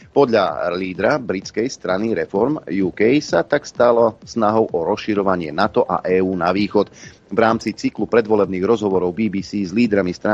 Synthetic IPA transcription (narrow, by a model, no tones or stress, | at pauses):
pɔd̪ʎa̰liːd̪ɾabɾit͡skɛjst̪ɾaniɾɛfɔɾmjuːkɛjsat̪akst̪alɔsnaɦɔʊʔɔɾɔsʃiɾɔʋaɲɪɛ̰nat̪ɔʔa̰ʔɛːuːnaʋiːxɔt̪ | vɾaːmt͡sit͡siklupɾɛd̪ʋɔlɛbniːɣɾɔzɦɔʋɔɾɔʊbiːbiːsiːzliːd̪ɾamist̪ɾa